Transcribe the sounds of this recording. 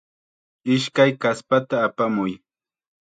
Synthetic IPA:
ɪʃkajkaspat̪aːpamʊj

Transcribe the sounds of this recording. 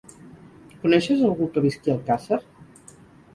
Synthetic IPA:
kunɛʃəzəlˠɣukəβiskiəlˠkasəɾ

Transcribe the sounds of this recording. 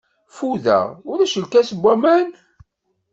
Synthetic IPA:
fuðæ̰ʊɾæʃəlkæsəbʷːæmæn

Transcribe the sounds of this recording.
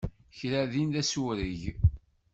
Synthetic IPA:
çɾæðinðæsuɾiʝ

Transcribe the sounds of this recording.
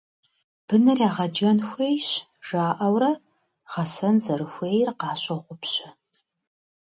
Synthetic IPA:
b̥ɨnɨrjaːʁɐd͡ʒɐnxʷejɕ | ʒ̥aːʔɐwɾɐ | ʁɐsɐnzɐɾɨxʷeːjrqɑːɕʼɐʁʷʊpɕɪ

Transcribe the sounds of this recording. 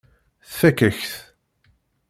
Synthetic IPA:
θfækːəçθ

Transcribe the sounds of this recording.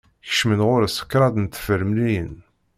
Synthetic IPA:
çə̥ʃmənʁʊɾəsə̥kːɾˤɑd̪nt̪ːfəɾmlijən

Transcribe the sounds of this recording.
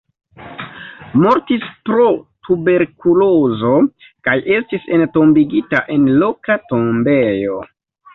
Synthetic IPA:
mo̞ɾtispɾo̞tube̞ɾkulozo̞ | kajʔe̞stisento̞mbiɡitaʔe̞nlo̞katombe̞jo̞

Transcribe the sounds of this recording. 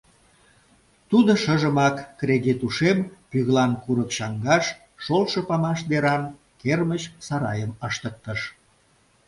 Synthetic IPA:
t̪ud̪oʃəʒəmɑkːreɣet̪uʃempyɣlɑnkuɾəkʃɑŋɡɑʃː | olʃɤpɑmɑʃd̪eɾɑn | kermət͡ɕsɑɾɑ̰jəməʃt̪ək̚t̪əʃ

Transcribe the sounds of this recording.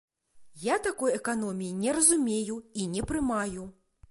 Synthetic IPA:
jat̪akɔjɛkanɔmʲijinʲɛɾɐzumʲejuinʲɛpɾɨmaju

